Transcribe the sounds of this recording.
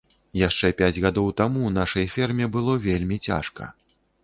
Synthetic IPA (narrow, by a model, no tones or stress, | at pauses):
jaʂt͡ʂɛpʲæd͡zʲɣad̪ɔwt̪amunaʂɐjfʲɛrmʲɛbɨlˠɔvʲelʲmʲit͡sʲa̰ʂkɐ̰